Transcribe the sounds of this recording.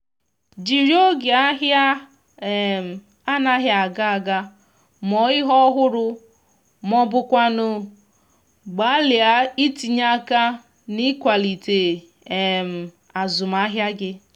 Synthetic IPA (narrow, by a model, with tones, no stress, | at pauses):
d͡ʒi˨ɾo˦ɡe˨a˦ɦja˦˨ | m˨ | a˦na˦ɦja˨a˨ɡa˦a˨ɡa˦ | mɔ˨ɪ˦ɦɔ˦ɦʊ˦ɾʊ˦ | mɔ˦bʊ˨kʷa˦nʊ˨ | ɡ͡ba˨˦lɪ˨a˦i˦ti˨ɲa˦ka˦ | ni˦kʷa˨li˨te˨ | e˨m̩˨ | a˨zʊ˨m˨a˦ɦja˦ɡɪ˦